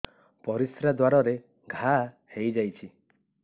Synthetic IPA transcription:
pɔɾisɾad̪waɾɔɾe | ɡʱa | hejd͡ʒajt͡ʃʰi

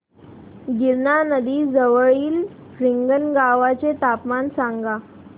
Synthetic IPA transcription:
ɡiɾnanəd̪iːd͡zəʋəɭiːl | fɾiŋɡənɡaʋat͡set̪apmansaŋɡa

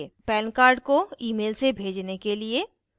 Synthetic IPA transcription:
epɛːnkaːɾɖkoiːmeːlsebʱeːd͡ʒnekelie

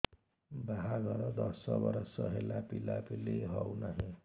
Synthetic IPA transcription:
baɦaɡʱʌɾʌd̪ʌsʌbʌɾʌsʌɦelapilapileɦʌwnaɦĩ

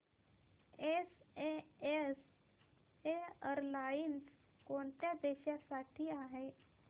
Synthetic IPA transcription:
esees | eəɾlains | koɳt̪jad̪eɕjasaʈʰiːaɦe

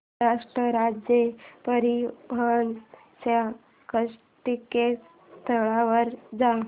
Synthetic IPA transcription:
aʂʈɾəɾad͡ʑjepəɾibʱən | sa | kəs | ʈike | t̪ʰəɭaʋəɾd͡za

